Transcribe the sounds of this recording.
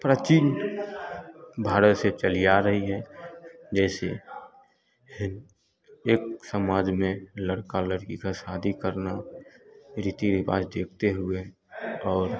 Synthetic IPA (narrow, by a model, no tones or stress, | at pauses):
pɾaːt͡ʃin | bʱaːɾət̪set͡ʃəlijaɾəɦiɦɛ | d͡ʒɛːse | hɪn | eːksəmaːd͡ʒmẽləɽkaləɽkikaʃaːd̪ʱikəɾna | ɾit̪iɾɪpa̰ːd͡ʒd̪eːk̚ʰt̪eɦʊe | ɔːɾ